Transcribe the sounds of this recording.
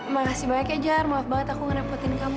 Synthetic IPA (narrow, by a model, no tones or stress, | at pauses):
makasimaakɛd͡ʒarmaaf̚baŋət̪akuŋənapɔt̪inkam